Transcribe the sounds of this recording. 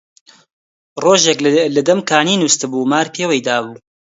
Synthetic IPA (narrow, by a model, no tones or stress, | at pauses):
roːʒeklɐd̪ɐmkʰaːniːnust̪ɨbuːmaːɾpʰewejd̪aːbuː